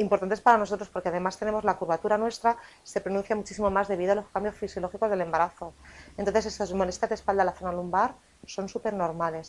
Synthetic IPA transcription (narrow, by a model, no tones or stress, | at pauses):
impoɾt̪ant̪espaɾanoot̪ɾospo̞ɾkeað̞e̞mast̪ene̞mo̞zlakuɾβat̪uɾanwe̞st̪ɾḁ | se̞pɾo̞nũnθjamut͡ʃisimo̞mazðe̞β̞iðoalo̞skambjosfisjolo̞xikoðe̞le̞mbaɾaθo̞e̞nt̪onθes̬e̞sazmo̞le̞st̪jazðespald̪alaθo̞nalumbaɾ | so̞nsupe̞ɾno̞ɾmale̞s